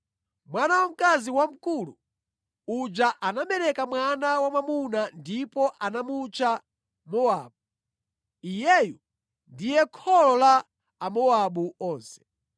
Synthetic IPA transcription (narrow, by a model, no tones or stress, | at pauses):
mwanawam̩kaziwam̩kulu | ud͡ʒaʔanamɛɾɛkamwanawamamunandipɔʔanamut͡ʃa | mɔaːɓu | ijɛju | ndijɛkʰɔlɔlaː | mɔaɓuɔːnsɛ̥